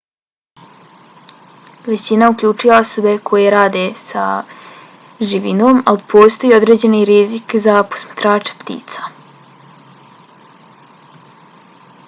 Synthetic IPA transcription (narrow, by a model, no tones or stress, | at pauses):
ʋe̞t͡ɕinaukʎʲuːt͡ʃujao̞so̞be̞kʰo̞je̞ɾaːd̪esa̰ | ʒiʋḭnoːmalipʰo̞ːst̪o̞jiod̪ɾe̞ːd͡ʑe̞niɾizikzapo̞̥smḁt̪ɾaːt͡ʂe̥pt̪ḭːt̪sḁ